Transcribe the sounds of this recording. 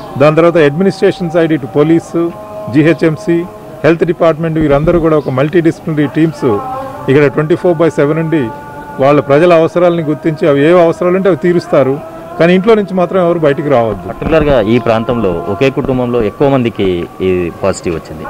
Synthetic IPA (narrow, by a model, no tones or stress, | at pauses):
d̪aːnt̪ɐɾʋaːt̪ɐɐɖminisʈɾeːʂɐns̬ɐjɖiʈupoliːs | d͡ʒiɦet͡ʃːemsi | he̞lt̪ʰɖipaːɾʈ̬me̞ɳʈʋiːɾɐnd̪ɐɾuːk̬uːɽaːɔkɐmɐlʈiːɖispnɐɾiːʈiːmsu | ikːɐɽɐʈweɳʈiːpʰoːɾbɐjseʋenɐɳɖi | ʋaːɭːɐpɾɐd͡ʒɐlɐɐʋɐsɐɾaːlɐniɡuɾt̪iɲt͡ʃiɐʋieːɐʋɐsɐɾaːlɐɳʈ̬eɐʋit̪iːɾust̪aːɾu | kaːniːɳʈlo̞ːnuɲt͡ʃimaːt̪ɾɐmɛʋɐɾuːbɐjɐʈɐkiɾaːʋɐd̪ːuɐʈːukulɐɾɡaːiːpɾaːnt̪ɐmlo̞ːɔke̞ːkuʈumbɐmlo̞ːekːuʋɐmɐnd̪ikipaːsi̥ʈiʋɐt͡ʃːind̪ḭ